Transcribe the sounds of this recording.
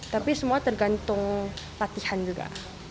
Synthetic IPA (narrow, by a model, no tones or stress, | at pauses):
t̪apisəmuat̪ərɡant̪ʊŋ | lat̪ihand͡ʒuɡa̰